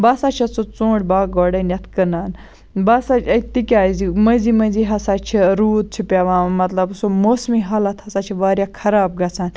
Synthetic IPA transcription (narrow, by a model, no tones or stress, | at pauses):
bɐːsaːt͡ʃʰɐt͡sot͡sõːɽʲbaːɡoːɽɐnjɐt̪ʰkɐnaːn | bɐsat͡ʃʰɐt̪ikʲaːzimə̃zimɐ̃ziɦɐsaːt͡ʃʰiɾuːt̪̚t͡ʃʰipʲaʋãːmɐt̪lɐbsomoːsmiɦaːlɐt̪ʰhɐsaːt͡ʃʰiʋaːɾjaːkʰɐɾaːb̚ɡɐt͡sʰaːn